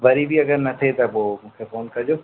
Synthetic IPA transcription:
ʋɐɾibʱiɐɡəɾnɐt̪ʰet̪ɐʋomũːkʰefoːnkɐɾd͡ʒoː

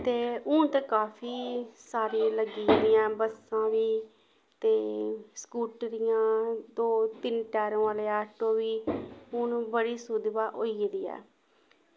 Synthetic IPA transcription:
t̪eːʊt̪ekaːfʰiːsaːɾiləɡiːd̪ɪjãːbəsãːʋiː | t̪eːskuːʈɾɪjãːd̪oːt̪ɪnʈɛːɾõːaːleːɛːʈoːʋiːʊːnːbəɽiːsʊd̪baːʔoːiːd̪iːɛ̰ː

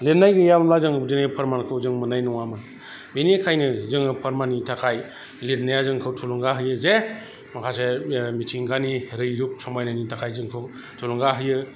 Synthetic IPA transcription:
letnːajɡɯjabmlazɯŋzɯnepʰaɾmankʰɯwzɯŋmɯnajnɔŋamɯ | binekʰajnɯzɯŋɯpʰaɾmanitʰakʰaj | let̚najazɯŋkʰɯwtʰuluŋɡaɦɯjɯze | makʰasemitʰiŋɡaniɾɯjɾup̚sɔmajnanitʰakʰajzɯŋkʰɯw | tʰuluŋɡaɦɯjɯ

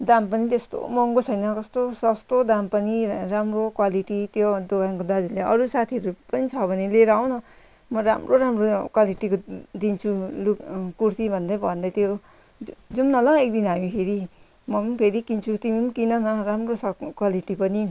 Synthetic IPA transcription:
d̪ampʌnit̪est̪o̰mʌŋɡot͡sʰʌjnʌkʌst̪osʌst̪od̪ampʌniramrokwaliʈit̪jod̪oɡaŋkod̪ad̪ileʌɾusat̪ʰiʌɾupʌnit͡sʰʌbʱʌneleɾʌːw̃nʌ | mʌɾamroɾamrokwaliʈikod̪int͡sʰulukkurt̪ibʱʌnd̪ʌjbʱʌnd̪ʌt̪jo | d͡zumnʌlʌ̃ek̚d̪inɦamipʰeɾi | mʌpʰeɾikint͡sʰut̪imimkinʌnʌɾamroskwaliʈipʌni

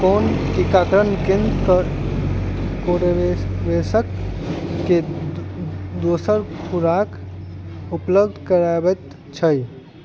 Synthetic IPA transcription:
koːnkikakɾənkɪ̃nd̪kəɾ | koɽeeʋesəkː | e | d̪osəɾkʰuɾaːk | upləbd̪ʱkəɾabət̪ | t͡ʃʰəj

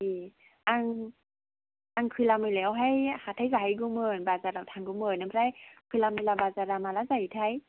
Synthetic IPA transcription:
i | ʔaŋ | ʔaŋkʰilaməlɛwɦajhat̪ʰajzahajɡuməːnbaːzaːɾawt̪ʰaŋɡoməːnamajkʰijlaːməlabaːzaːɾaːmaːlazat̪ʰaj

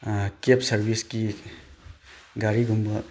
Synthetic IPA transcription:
kepsɐɾbiski | ɡaɾiɡʱumbɐ

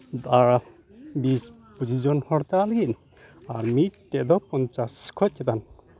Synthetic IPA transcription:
d̪aɹa | bis | pud͡ʒid͡ʒɔnhɔɽt̪alɡiʔ | aɾmiʈɛd̪ɔpɔnt͡ʃaskʰɔc̚kɛt̪an

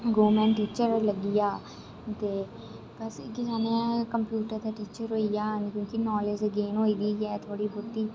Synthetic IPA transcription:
ɡoːmɛ̃ːnʈiːt͡ʃəɾləɡijaː | t̪eː | pəskɪsaːnẽːkəmpjuːʈəɾt̪eʈiːt͡ʃəɾɦoːijaːnkʲjõːkinɔːled͡ʒəɡeːnɦoːiːd̪iːjɛːt̪ʰoːɽiːbʊt̪iː

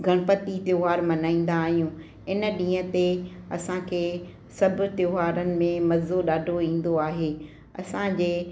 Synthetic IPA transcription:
ɡʱɐɽ̃əpət̪it̪joːɦaːɾmɐnaːĩːn̆d̪aːɦijũː | ɪnəɗĩːə̆t̪eɐsãkʰeː | sɐbʱʊ̆t̪joːɦaːɾənɪ̆mẽmɐzoɗaːɖʱoĩːn̆d̪oaːɦeː | ɐ̰sãd͡ʑeː

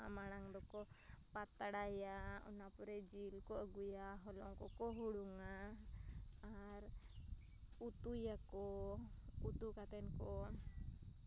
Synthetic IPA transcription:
a̰maɽ̃aŋd̪ɔkɔ | pat̪aɽajaɔnapɔɾɛd͡ʒilkɔʔəɡujaɦɔlɔ̰ŋkɔkɔɦuɽuŋa | ɾ | ut̪ujakɔ | ut̪ukat̪ɛnkɔ

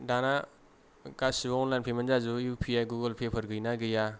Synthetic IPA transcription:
dana | ɡasiɔnlajnpʰemanzazujupʰijajɡuɡəlpʰepʰəɾɡɯjnaɡɯja

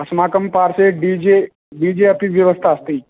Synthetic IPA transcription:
ɐsmaːkəmpaːɾseɖid͡ʑe | ɖid͡ʑeəpiʋjəʋəst̪ʰaːst̪iː

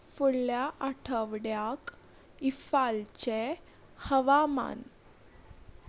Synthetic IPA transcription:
fuɽljaʔaʈʰəʋɽjak | ifalt͡ɕe | həʋama̰n

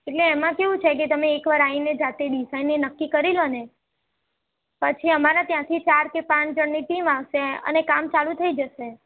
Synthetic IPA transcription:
eʈleːmãkeʋũt͡ʃʰeket̪əmeːkʋaɾained͡ʒat̪eɖisajnːinəkːikəɾilone | pət͡ʃʰiəmaɾat̪jãt̪ʰit͡ʃaɾkepãt͡ʃd͡ʒəɳniʈimaʋʃeə̰nekamt͡ʃalũt̪ʰəid͡ʒəʃe

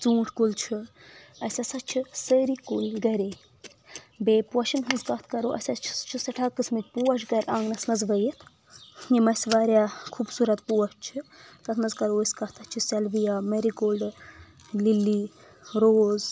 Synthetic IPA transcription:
t͡sũːʈʰkult͡ʃʰi | ɐsʲasɐt͡ʃʰisəɾikulɡɐɾeː | beːpwɐʃinɦɐnzkɐt̪ʰkɐɾoːʔɐ̰sʲɐt͡ʃʰi̥t͡ʃʰusɐʈʰakːɨsmɐt̪̚ʲpuɐt͡ʃɡɐɾʲʔãːŋɡnɐsnɐzʋɐjit̪ʰ | imɐsʋaːɾjakʰuːbsuɾɐt̪puwɐt͡ʃ̚t͡ʃʰik̪ɐt̪ʰmɐzkɐɾoːiskɐt̪ʰɐt͡ʃʰisɐlʋijaːmɐɾikoːlɖ | lilːi | ɾoːz

